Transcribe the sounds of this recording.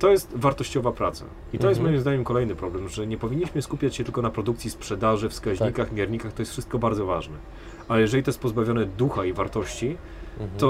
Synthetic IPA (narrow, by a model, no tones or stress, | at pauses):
t̪ɔjɛst̪vaɾt̪ɔɕt͡ɕɔvapɾat̪sa̰ | it̪ɔjɛsmɔjimzd̪aɲɛmkɔlɛjnɘpɾɔblɛmʐɛɲɛpɔvʲiɲːiɕmɘskupʲjat͡ɕɕɛt̪ɘlkɔnapɾɔd̪ukt̪sʲispʂɛd̪aʐɘfskaʑɲikaxmʲjɛɾɲikaxt̪ɔjɛst̪fʂɘst̪̚kɔbaɾd̪zɔvaʐnɛ | alɛjɛʐɛlʲit̪ɔjɛst̪pɔzbavʲjɔnɛd̪uxaivaɾt̪ɔɕt͡ɕi | t̪ɔ